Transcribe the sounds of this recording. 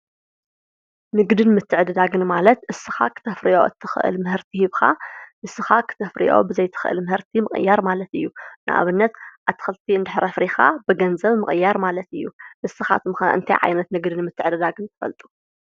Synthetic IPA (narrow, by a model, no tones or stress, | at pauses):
nɨɡd̪ɨnmɨt̪ʰːɨʕɨd̪ɨd̪aɡɨnmalɐt̪ʔɨsːɨxa̰kʰɨ̥t̪ʰɐfɾiʔo̞̰ɨ̰t̪ʰːɨxɨʔɨ̰lmɨɦɨɾt̪ʰihiβxa̰ʔɨsːɨxakʰɨ̥t̪ʰɐfɾḭʔo̞̰bɨzɐjt̪ʰɨ̥xɨʔɨ̰lmɨhɨɾt̪ʰimɨχʼɨ̰jːaɾmalɐt̪ɨjːunɨ̰ʔa̰βɨnːɐt̪ʔat̪ʰːɨ̥xɐlt̪ʰiɨnd̪ɨħɾʔɐfɾixa̰bɨɡɐnzɐβmɨχʼɨjːaɾmalɐt̪ɨjːuʔɨsːɨxa̰t̪ʰɨmxa̰ɨ̰nt̪ʰa̰jʕa̰jnɐt̪nɨɡd̪ɨnmɨt̪ʰːɨʕɨd̪ɨd̪aɡɨnt̪ʰɨ̥fɐ̰lt̪ʼu̥